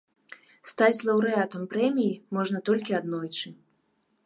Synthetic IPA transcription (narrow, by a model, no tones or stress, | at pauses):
st̪at͡sʲlˠɐwɾɨat̪ɐmpɾɛmʲijimɔʐnɐt̪ɔlʲkʲiad̪nɔjt͡ʂɨ